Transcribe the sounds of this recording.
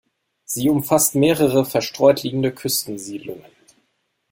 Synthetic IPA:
z̥iːʊmfastmeːʁəʁ̞əfɛɐʃtʁ̥ɔʏtʰliːɡŋ̩dəkʰʏstn̩ziːdlʊ̰ŋən

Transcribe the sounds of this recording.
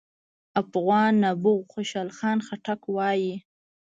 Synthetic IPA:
apɣwɑnːabʊɣxoʃɑlxɑːnxaʈakwɑji

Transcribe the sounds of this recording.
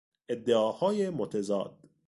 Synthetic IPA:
ed̪ːeɒːhɒːjemot̪ʰezɒ̰ːd̪̥

